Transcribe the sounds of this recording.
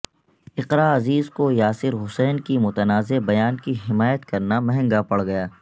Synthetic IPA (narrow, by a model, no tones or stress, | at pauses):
ɪqɾaːɐziːzkojaːsɪɾɦʊsɛːnkimʊt̪ənaːzebɐjaːnkiɦɪmaːjət̪kɐɾnamɛɦɛ̃ŋɡapɐɽɡɐjaː